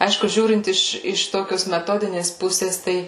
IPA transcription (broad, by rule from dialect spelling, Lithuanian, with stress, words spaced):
ˈɐɪʃkʊ ˈʒʲuːrʲɪnt ˈɪʃ ɪʃ ˈtoːkʲoːs mʲɛˈtoːdʲɪnʲeːs ˈpʊsʲeːs ˈtɐɪ